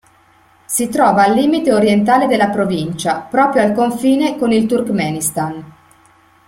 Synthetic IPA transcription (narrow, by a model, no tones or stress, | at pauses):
sit̪ɾɔːvaːlːiːmit̪eoɾjent̪aːled̪elːapɾovint͡ʃapɾɔːpɾjoalkoɱfiːnekonilt̪urkmɛːnist̪an